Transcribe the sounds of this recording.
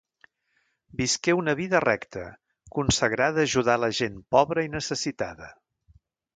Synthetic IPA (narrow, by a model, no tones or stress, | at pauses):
biskɛunəβiðərɛkt̪ə | kunsəɣɾaðːʒuðaləʒenpɔβɾəinəsəsit̪aðə